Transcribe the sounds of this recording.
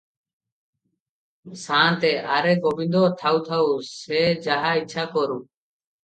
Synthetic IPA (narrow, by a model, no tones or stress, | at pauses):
sãːt̪eːʔaːɾeːɡobɪ̃nd̪oːt̪ʰaːuːt̪ʰauseːd͡ʒaɦaːɪːt͡ʃʰaːkoɾuː